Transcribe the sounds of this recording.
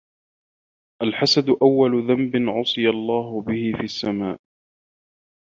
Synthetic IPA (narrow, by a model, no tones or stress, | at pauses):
ʔalħasad̪ʊʔawːalʊðambɪnʕʊsˤɨjalˤːɑːɦʊbɪhɪfiːʔasːamaːʔ